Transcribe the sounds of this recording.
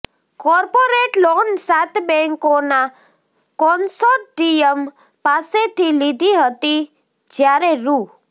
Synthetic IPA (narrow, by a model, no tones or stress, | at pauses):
kɔɾpoɾeʈlonsat̪bɛ̃ŋkona | kɔnsoʈʈijəm | paset̪ʰilid̪ʱiɦət̪i | d͡ʒjaɾeɾu